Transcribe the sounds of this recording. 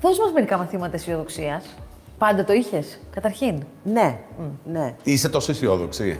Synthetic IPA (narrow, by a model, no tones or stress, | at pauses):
θo̞zmɐzme̞ɾikɐmɐθimɐt̪ɐisio̞ðoksiɐs | pɐnd̪ɐt̪o̞içe̞skɐt̪ɐɾçin | ne̞neise̞t̪o̞soisθioðoksi